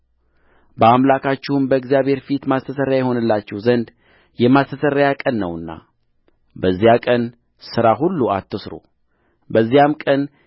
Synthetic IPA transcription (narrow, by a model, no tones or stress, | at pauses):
bəamlakʰat͡ʃːɪhumbəɨɡzijaβhe̞ɾfit̪mast̪ʰəsəɾːjajɛho̞nɨlːat͡ʃːɛhzənd̪ | jɛmast̪ʰəsəɾːajakʼənːəwɨnːa̰ | bəzːijakʼən | sɨɾaɦulːuat̪ːɨsɾo̰ | bəzːijamkʼən